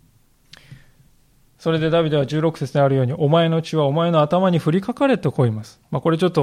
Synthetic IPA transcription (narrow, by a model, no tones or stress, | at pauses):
so̞ɾe̞d̪e̞d̪abʲid̪e̞βad͡ʑɨːɾo̞kɯ̟̥se̞t͡sɨneaɾɯ̟jo̞ːɲiʔo̞mae̞no̞t͡ɕiβao̞mae̞no̞at̪amaɲ̟iɸɯ̟ɾʲikakaɾe̞t̪ekʰo̞ːimasɨ̥mako̞ɾe̞t͡ɕo̞t̪ːo̞